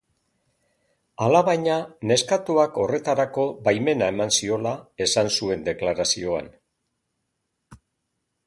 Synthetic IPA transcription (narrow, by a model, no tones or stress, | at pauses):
alaβajɲane̞skat̪uako̞re̞t̪aɾako̞bajme̞nae̞mansio̞lae̞sansue̞nd̪e̞klaɾasio̞a̰n